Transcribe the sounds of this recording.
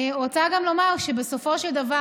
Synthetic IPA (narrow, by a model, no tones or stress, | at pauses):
ot͡saɡamlomawʃebeso̞fo̞ʃeld̪ava